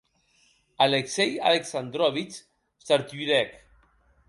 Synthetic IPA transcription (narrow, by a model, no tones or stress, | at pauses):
alekseja̰leksand̪ɾɔβit͡ʃ | saɾt̪ɥiɾɛk